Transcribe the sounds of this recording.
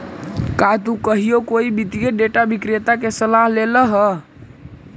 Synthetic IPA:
kat̪ukəɦijokoibid̪ijeɖeʈabikɾet̪akesəlaɦleləɦə

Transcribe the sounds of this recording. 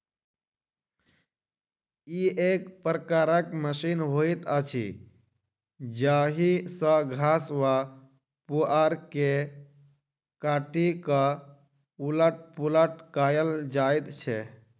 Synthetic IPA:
iekpɾəkaɾəkməsinɦoit̪ət͡ʃʰḭ | d͡ʒaɦisə̃ɡʱaswa | puaɾke | kaʈikə | uləʈ̚puləʈkajəld͡ʒajt̪t͡ʃʰɛ

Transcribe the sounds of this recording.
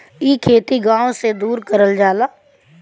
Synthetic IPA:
iːkʰeːt̪iɡãːõsed̪uːɾkəɾəld͡ʒaːlaː

